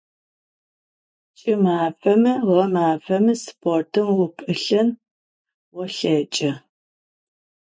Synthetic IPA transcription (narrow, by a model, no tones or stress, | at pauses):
t͡ʃʼɪmaːfɐmɨʁɐmaːfɐmɨspʰortʰɨmwʊpʰʼɨɬɐn | wɔɬɐt͡ʃʼɐ